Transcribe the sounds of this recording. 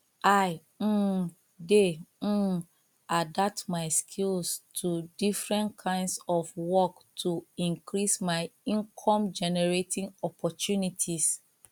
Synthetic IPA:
aɪ | de | adap̚tmaɪskʰilstʰudifɹɛ̃nkʰãɪ̃ndsɔfwɔktʰuĩŋkɹismaɪĩŋkʰɔ̃md͡ʒɛnɛɹetʰĩŋɔpʰɔtunitʰis

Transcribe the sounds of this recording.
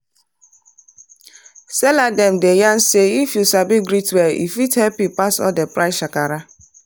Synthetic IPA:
sɛladɛmdejan̩seifjusabiɡɾitwɛḭfithɛpipasɔ̰depɾaɪsʃakaɾa

